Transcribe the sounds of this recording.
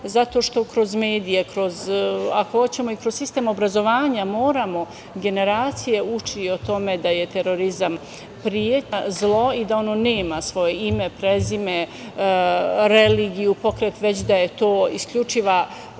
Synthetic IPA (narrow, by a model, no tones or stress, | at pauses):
zat̪o̞ːʃt̪o̞kɾo̞zme̞ːd̪ijekɾo̞zakoot͡ɕe̞mo̞ikɾo̞zsist̪emo̞bɾazo̞ʋaːɲamo̞ːɾamo̞ | ɡe̞ne̞ɾaːt̪sije̞ut͡ʃio̞t̪o̞me̞d̪aje̞t̪eɾo̞ɾizam | pɾijet̪azlˠo̞id̪ao̞no̞ːne̞ːmasʋo̞je̞ime̞pɾezime̞ | ɾeliːɡijupo̞kɾeːt̪ʋet͡ɕd̪aje̞t̪o̞ːiskʎut͡ʂiʋa